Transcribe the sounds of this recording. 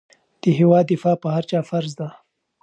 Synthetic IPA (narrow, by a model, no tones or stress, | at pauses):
d̪̥əɦewɑd̪ːɪfɑpəhaɾt͡ʃɑːfaɾzd̪a